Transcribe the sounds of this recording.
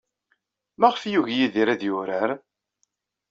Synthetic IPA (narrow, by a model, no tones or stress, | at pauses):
mæʁfjuʝjiðiɾæðjʊɾəɾ